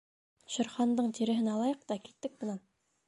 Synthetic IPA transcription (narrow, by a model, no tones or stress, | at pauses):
ɕɤ̆ɾχɑnd̪ɤɴt̪iɾɘ̆ɦɘnɑlˠɑjɤq̚t̪ɑkilt̪ːɘk̚mɤ̆nɑn